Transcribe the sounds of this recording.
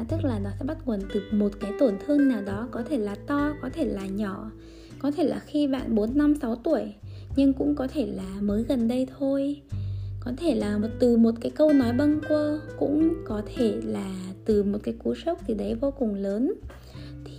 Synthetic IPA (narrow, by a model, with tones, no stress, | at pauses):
t̪ɨ˦˥k̚laː˨˩nɔ˨˦sɛ̰˧˥ɓa˦˥t̚ŋwə˨˩nt̪ɨ˨˩ək̚mo˨˩t̚kaː˨˦jt̪o˧˩nt̪ʰɨ˧əŋnaː˨˩wɗɔ˨˦kɔ˨˦t̪ʰe˧˩laː˨˩t̪ɔ˧kɔ˨˦t̪ʰe˧˩laː˨˩ɲɔ˧˩˨ | kɔ˨˦t̪ʰe˧˩la̰ː˨˩xi˧ɓa̰ː˧˨nɓo˨˦nːa˧msa˨˦wt̪u˧˩əjɲɨ˧ŋkʊ̰˧˥ŋ͡mkɔ˨˦t̪ʰe˧˩laː˨˩məː˨˦jɣə˨˩nɗə˧jt̪ʰo˧j | kɔ˨˦t̪ʰe˧˩laː˨˩˨t̪ɨ˨˩mo˨˩t̚kaː˨˦jkə˧wnɔ˨˦jɓə˧nkwəː˧kʊ̰˧˥ŋ͡mkɔ˨˦t̪ʰe˧˩laː˨˩t̪ɨ˨˩mo˨˩t̚kaː˨˦jku˨˦sə˦˥wk͡p̚t̪ʰi˨˩ɗə˨˦jvo˧kʊ˨˩ŋŋ͡mləː˨˦n | t̪ʰi˨˩